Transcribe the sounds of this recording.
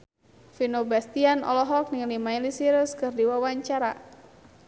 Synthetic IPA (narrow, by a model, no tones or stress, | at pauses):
finobast̪ianɔ̰lɔɦɔk̚niŋlimailisiɾəskɨrdiwawaɲt͡ʃaɾa